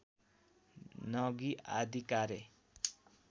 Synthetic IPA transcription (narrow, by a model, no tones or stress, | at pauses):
nʌɡia̰d̪ʱikaɾe